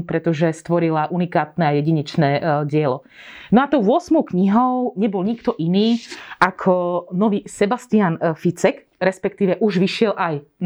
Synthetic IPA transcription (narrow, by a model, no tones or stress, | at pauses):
pɾɛt̪ɔʒɛst̪ʋɔɾilaʔunikaːt̪nɛajɛɟiɲɛt͡ʃnɛːɟɪɛlɔ | nɔat̪ɔʊʋʊɔsmɔʊkɲiɦɔʊɲɛbɔlɲikt̪ɔʔiniːʔakʰɔnɔʋiːsɛbast̪ianfit͡sɛk | ɾɛspɛkt̪iːʋɛʔuʒʋiʃɪɛlʔaj